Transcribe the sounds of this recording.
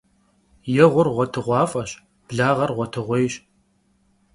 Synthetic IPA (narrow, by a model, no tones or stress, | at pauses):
jɛʁʷʊrʁʷɔtʰɨʁʷɑːfʼɐɕ | b̥ɮaːʁɐrʁʷɔtʰɨʁʷejɕʼ